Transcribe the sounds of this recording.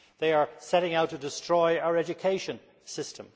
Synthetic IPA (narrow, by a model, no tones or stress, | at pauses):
ðeɪə˞sɛɾɪ̃ŋaʊtʰɨdɪstɹ̥ɔɪaʊə˞ɛd͡ʒɨkʰeɪʃɨ̃n | sɪstʰə̃m